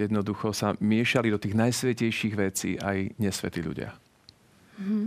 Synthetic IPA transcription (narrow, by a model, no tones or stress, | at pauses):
jɛd̪nɔd̪uxɔsamɪɛʃalid̪ɔt̪iːɣnajsʋɛcɛjʃiːɣʋɛt͡sḭːʔajɲɛsʋɛ̰t̪iʎṵɟɪa̰